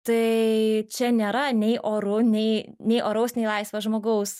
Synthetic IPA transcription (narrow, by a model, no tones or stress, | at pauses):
t̪ɐɪt͡ʃʲɛnʲeːɾɐnʲɛɪʔoːɾʊnʲɛɪnʲɛɪʔoːɾɐʊsnʲɛɪlˠɐɪsʋɐʒmoːɡɐʊs